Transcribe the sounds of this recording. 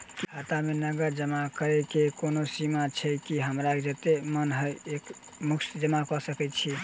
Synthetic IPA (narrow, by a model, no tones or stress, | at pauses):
kiɦat̪amenəɡəɾd͡ʒəmakəɾɛkekonosimat͡ʃʰɛkiɦəmɾakd͡ʒət̪emənɦəjek | muksd͡ʒəmakɔsəkɛt͡ʃʰi